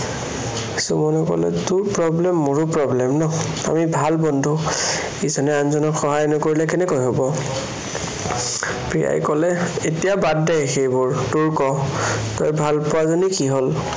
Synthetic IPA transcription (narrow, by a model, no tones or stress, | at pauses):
sumɔnɔkɔ̰lɛ̰tuɹpɹɔblɛmːoɹupɹɔblɛmnɔ | a̰mibʱalbɔndʱu | ezɔnɛanzɔnɔkxɔɦajnɔkoɹilɛkɛnɛkojɦobɔ | pɹija̰jkɔlɛetijabadːɛjxejbʊɹtuɹkɔtɔjbʱalpʊwazonikiɦol